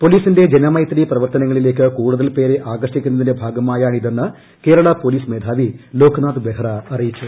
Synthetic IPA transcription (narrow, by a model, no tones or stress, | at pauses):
po̞liːsinde̞d͡ʑe̞nɐmɐjt̪riprɐʋɐrt̪ɐnɐŋːɐɭile̞ːk̬ːɨkuːɽuðɐlpe̞ːɾeʔaːɡrɐʂikʲːunːɐðinde̞bʱaːɡɐmaːjaːɳiðe̞nːɨ | ke̞ːɾɐɭɐpo̞liːsmeːd̪ʱaːʋilo̞ːkʰnaːd̪ɨb̪eɦɐrɐɐrijit͡ɕːu